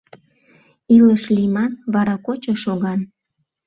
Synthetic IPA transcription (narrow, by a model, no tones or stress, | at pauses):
iləʃlʲimɑnβɑɾɑkot͡ɕoʃoɣɑn